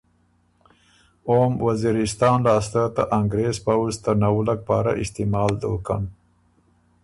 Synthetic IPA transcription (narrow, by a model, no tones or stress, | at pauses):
oːmwaziɾɪst̪ɑːnlɑːst̪at̪aʔaŋɡɾezpawst̪anawlak̚pɑːɾa̰ʔɪst̪imɑːld̪o̰ka̰n